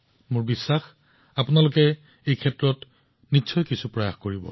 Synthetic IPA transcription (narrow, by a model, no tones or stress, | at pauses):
mʊɹbisːax | apʊnalʊkɛ | ejkʰɛtɹɔt | nitːsʰɔjkisupɹɔjaxkoɹibɔ̰